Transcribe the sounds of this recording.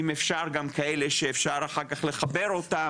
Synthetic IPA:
imefʃaʁɡamkʰaeleʃeːfʃaʁaχaʁkaχle̞χabeʁota

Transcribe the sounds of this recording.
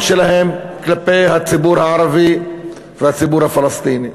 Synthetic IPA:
ʃelaɦemklapejɦat͡sibuɾhaaɾavi | vehat͡sibuɾhafalast̪ini

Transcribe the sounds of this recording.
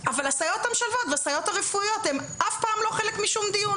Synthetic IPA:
avalasajo̞t̪hamʃalvo̞t̪veasajo̞t̪aʁefuijo̞t̪hemʔafpaːmloχe̞lekmiʃumd̪ijun

